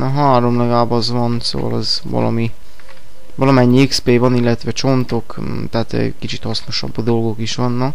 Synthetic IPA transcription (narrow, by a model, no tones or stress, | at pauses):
ɒɦaːɾo̞mlɛɡɛlaːbɒzvɒnso̰vɒ̰lɛzvɒ̰lɒ̰mi | vɒlɒmɛɲːiekspeːvɒnilːɛt̪ʋɛt͡ʃo̞nt̪o̞k | t̪ɛːt̪ɛ̰kit͡ʃit̪hɒsno̞ʃɒ̰bd̪o̞lɡo̞kiʃʋɒnːɒk